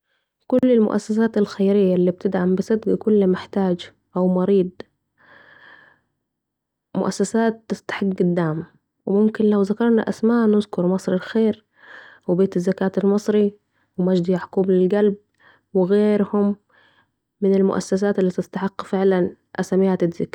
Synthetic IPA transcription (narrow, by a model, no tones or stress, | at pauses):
kʊlːɪlmʊ̰ʔa̰sːas̬aːt̪alxajɾɪjːalːiːb̚t̪ɪd̪ʕambɪsɪd̪ɡakʊlːmɪħt̪aːd͡ʒ | ʔawmɑɾiːd̪ˤ | mʊ̰ʔasːasaːt̪ːɪst̪ḁħɪɡːɪd̪ːaʕm | wɪmʊmkɪnlawzakɑɾˤna̰ʔasmaːnʊzkʊɾˤmɑsˤɾalxeːɾ | wbeːt̪ɪzːakaːt̪almɨsˤɾi | wɪmad͡ʒd̪ijaʕkuːblɪlɡalb̚ | wɪɣeːɾhʊmː | ɪnɪlmʊ̰ʔa̰sːas̬aːt̪lːiːt̪ɪst̪aħɪqːfɪʕlan | ʔasamiːat̪ɪːɪk